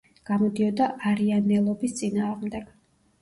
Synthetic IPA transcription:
ɡ̥amɔd̪iɔd̪aʔaɾianɛlˠɔbist̪sʼinaːʁmd̪ɛɡ̥

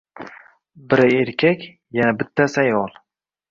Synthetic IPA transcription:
bɪɾaeɾkʲʰakʲ | janabɪt̪ʰːasajɒlˠ

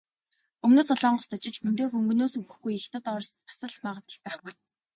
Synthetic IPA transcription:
ɵmnoːt͡sɔɮɔːɴɢɞ̆st̪ʰɔt͡ɕɪ̆t͡ɕmɵnt̪eːxɵŋɡɵ̆noːsɵɣɵ̆xɡujext̪ə̆t̪ɔrsḁsə̆ɮmaːʁə̆t̪ə̆ɮ̚pæːχpuj

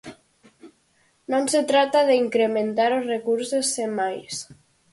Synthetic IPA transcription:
nomset̪ɾat̪aðeiŋkɾement̪aɾozrekuɾsesːemːajs

